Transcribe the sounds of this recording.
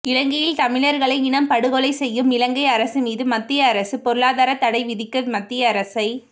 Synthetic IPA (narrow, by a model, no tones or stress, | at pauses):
ɪlɐŋɡɐjɪlt̪ɐmɪɭɐɾɣɐɭɐɪɪɳɐmpɐɽɯɣɔɭɐɪsɛjːɯmɪlɐŋɡɐɪɐɾɐsɯmiːðɯmɐt̪ːɪjɐːɾɐsɯpɔɾɯɭaːðaːɾɐt̪ːɐɽɐɪʋɪðɪkːɐmɐt̪ːɪjɐːɾɐsɐɪ